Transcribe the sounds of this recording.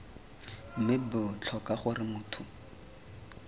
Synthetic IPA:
mɪbʊt͡ɬʰɔkaχʊrɪmʊːtʰʊ

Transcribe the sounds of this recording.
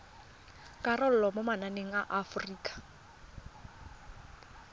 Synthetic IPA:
kʼarɔl̩lɔmomananeŋ̩aʔafriːkʼḁ

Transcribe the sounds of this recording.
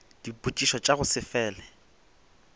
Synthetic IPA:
d̥ipʼut͡ʃʼiʃɔt͡ʃʼaɣʊsɪfɛːlɛ

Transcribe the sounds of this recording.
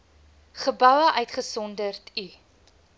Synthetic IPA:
χəbɐwəʔœɥtχəsɔndərti

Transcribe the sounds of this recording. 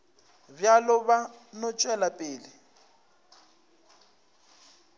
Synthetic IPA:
bjalʊβanʊt͡ʃʼwɛlapʼeːlɪ

